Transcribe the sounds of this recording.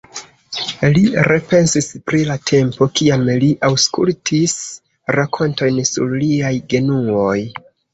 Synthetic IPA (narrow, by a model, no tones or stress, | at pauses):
liɾe̞pe̞nsispɾilatʰe̞mpo̞kiamliʔawskṵltʰis | ɾakʰo̞ntʰo̞jnsṵɾliajɡe̞nuoj